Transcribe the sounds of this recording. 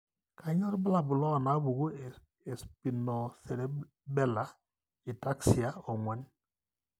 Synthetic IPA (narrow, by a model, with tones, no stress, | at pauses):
kʰa˨ɲɔ˦ɾba˦la˨bu˨lɔ˦˨na˨˦bu˨ɡo˦˨ | e˨spi˨nɔ˨se˨ɾe˦ | bɛ˦˨la˦ | i˨ta˦ksi˨a˦o˨ŋwʷɛ˨˦n